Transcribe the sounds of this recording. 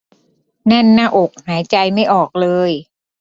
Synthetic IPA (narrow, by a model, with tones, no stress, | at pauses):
na˥˩nːaː˥˩ʔo˨˩k̚haː˩˦jt͡ɕa˧jma˥˩jʔɔː˨˩k̚lɤː˧j